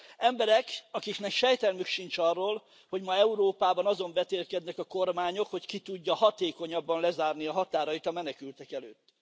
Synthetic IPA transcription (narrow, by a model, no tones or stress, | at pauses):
ɛmbɛɾɛkɒkiknɛkʃɛjt̪ɛlmykʃint͡ʃɒrːoːl | ho̞ɟmɒɛuɾoːpaːbɒnɒzo̞ɱbɛt̪eːlkɛd̪nɛkɒko̞rmaːɲo̞kho̞ckit̪uɟːɒhɒt̪eːko̞ɲɒbːɒnlɛzaːrniɒɦɒt̪aːɾɒjit̪ɒmɛnɛkylt̪ɛkɛløːt̪ː